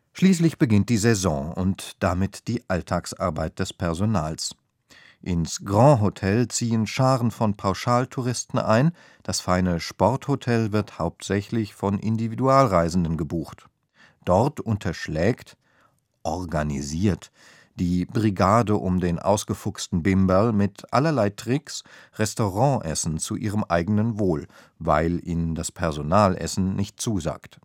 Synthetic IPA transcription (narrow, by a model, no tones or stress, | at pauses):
ʃliːslɪçb̥əɡɪnt̚d̥iːzɛzɔ̃ʊntd̥amɪtd̥iːʔaltʰaːksʔa̰ɐbaɪt̚d̥ɛspʰɛɐzonaːls | ʔɪnsɡ̥ʁɑ̃ɦotʰɛlt͡siːənʃaːʁənfɔnpʰaʊʃaːltʰuʁɪstn̩ʔa̰ɪn | d̥asfaɪnəʃpɔʁthotʰɛlvɪʁthaʊp̚tz̥ɛçlɪçfɔnʔɪndividuaːlʁaɪzn̩dənɡəbuːχt | d̥ɔʁtʔʊntʰɐʃlɛːkt | ʔɔʁɡaniziːɐt | d̥iːbʁiɡaːdəʔʊmdeːnʔa̰ʊsɡ̥əfʊkstn̩bɪmbalmɪtʔa̰lɐlaɪtʁ̥ɪksʁɛstoʁɑ̃ːʔɛsn̩t͡suʔiːʁ̞əmʔa̰ɪɡənənvoːl | va̰ɪlʔiːnəndaspʰɛɐzonaːlʔɛ̰sn̩nɪçt̚t͡suːza̰ːkt